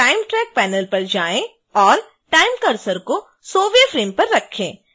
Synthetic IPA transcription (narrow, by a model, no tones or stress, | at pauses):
ʈaːɪmʈɾɛːk̚pɛːnəlpɐɾd͡ʒaːẽ | ɔːɾ | ʈaːɪmkɐɾsəɾko | soːʋefɾeːmpɐɾːɐkʰːẽː